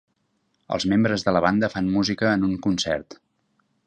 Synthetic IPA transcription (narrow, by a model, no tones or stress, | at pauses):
ə̰lˠzmembɾəzðələβand̪əfanmuzikəːnuŋkunsɛ̰rt̪